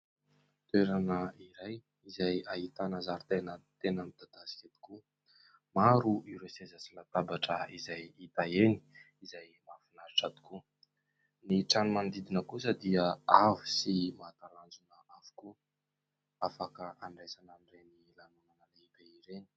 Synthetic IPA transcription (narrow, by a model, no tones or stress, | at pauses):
t̪weɾanəiɾaj | izajaɦit̪anazaɾit̪enət̪enəmid̪̥ad̪̥asi̥kʲat̪i̥ku | maɾuʔiɾesezat͡silat̪abaʈ͡ʂəizajit̪aeni̥ | izajmafinaɾiʈ͡ʂat̪i̥ku | niʈ͡ʂanumand̪id̪inəkusəd̪iəavu̥simat̪aland͡zunəavu̥ku | afakəʔaɳɖ͡ʐesananirenilanunanəleibeiɾeni̥